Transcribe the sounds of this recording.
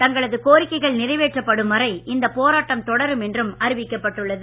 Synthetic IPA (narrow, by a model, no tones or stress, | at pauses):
t̪ɐŋɡɐɭɐðɯkoːɾɪkːɐɪɣɐɭnɪrɐɪʋeːʈrɐpːɐɽɯmʋɐrɐɪɪnd̪ɐpoːɾaːʈːɐmt̪ɔɽɐɾɯmɛndrɯmɐɾɪʋɪkːɐpːɐʈːɯɭːɐðɯ